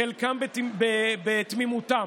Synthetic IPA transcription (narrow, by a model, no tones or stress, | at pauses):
elkambebebet̪mimut̪am